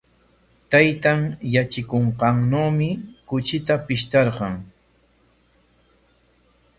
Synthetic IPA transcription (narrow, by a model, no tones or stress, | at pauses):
t̪ajt̪aŋjat͡ʃɪkoɴqɑŋnoːmɪkʊt͡ʃɪt̪apɪʃt̪ɑɾqɑŋ